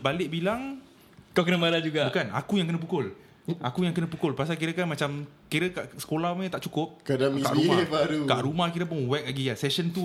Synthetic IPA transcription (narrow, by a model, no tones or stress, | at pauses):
balɪʔ̚bilaŋ | kakənəmalad͡ʒuɡabukana̰kujaŋkənə̃p̬ukʊl | akujaŋkənə̃pukʊlpas̬ak̬iɾəkanmat͡ʃamkiɾəkaʔsə̥kolahmə̃t̪aʔt͡ʃukʊp̚kadat̪a̰ʔɾumabaɾuk̪aʔɾumahkiɾəp̬ʊnwɛk̚aɡiasɛsənt̪u